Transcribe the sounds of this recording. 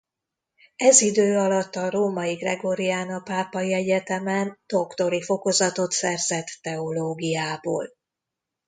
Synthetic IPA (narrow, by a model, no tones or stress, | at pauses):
ɛzid̪øːɒlɒt̪ːɒɾoːmɒiɡrɛɡo̞ɾijaːnɒpaːpɒiɛɟɛt̪ɛmɛnd̪̥o̞kt̪o̞ɾifo̞ko̞zɒt̪o̞t̪sɛrzɛt̪ːɛo̞loːɡijaːbo̰ːl